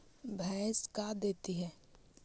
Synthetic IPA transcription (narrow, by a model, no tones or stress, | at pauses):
bʱɛskad̪eːt̪iɦɛː